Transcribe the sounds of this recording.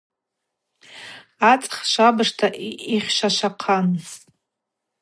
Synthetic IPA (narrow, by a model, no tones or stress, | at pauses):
at͡sʼχʃʷabɨʂtʰaʔiχʲʃaʃaqʰanztʼ